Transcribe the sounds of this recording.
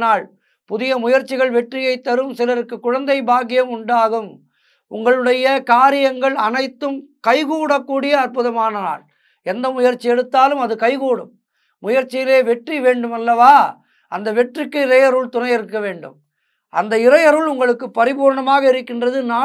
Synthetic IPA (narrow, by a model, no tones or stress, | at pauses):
naːɭ | pʊðɪjɐmʊjɐɾt͡ʃːɪɣɐɭʋɛʈrɪjɐɪt̪ːɐɾɯmsɪlɐɾɯkːɯkːʊɻɐnd̪ɐɪbaːɣɪjɐmʊɳɖaːɣɯm | ʊŋɡɐɭɯɽɐjɐkaːɾɪjɐŋɡɐɭɐnɐɪt̪ːɯmkɐɪɣuːɽɐkːuːɽɪjɐːɾpʊðɐmaːnɐna̰ːɭ | ɛnd̪ɐmʊjɐɾt͡ʃːɪɛɽɯt̪ːaːlɯmɐðɯkɐɪɣuːɽɯmː | ʊjɐɾt͡ʃːɪjɪleːʋɛʈriʋeːɳɖɯmɐlːɐʋaː | ʔɐnd̪ɐʋɛʈrɪkːɯɪrɐjɐɾuːɭt̪ʊnɐɪjɪɾɯkːɐʋeːɳɖɯ̰m | ʔɐ̰nd̪ɐɪɾɐjɐɾɯɭʊŋɡɐɭɯkːɯpːɐɾɪbuːɾɳɐmaːɣɐɪɾɯkːɪndrɐðɯnaː